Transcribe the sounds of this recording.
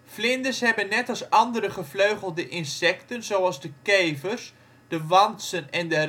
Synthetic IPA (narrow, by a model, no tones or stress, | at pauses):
flɪndəsɦɛbənːɛtɑsɑndəɾəχəfløɥχəlˠdəʔɪnsɛktənzowɑlˠzdəkejvərs | d̥əʋɑnsənɛndə